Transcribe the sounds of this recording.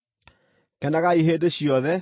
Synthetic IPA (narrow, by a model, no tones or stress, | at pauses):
kɛndaɣaiɦeːdeɕjɔðɛ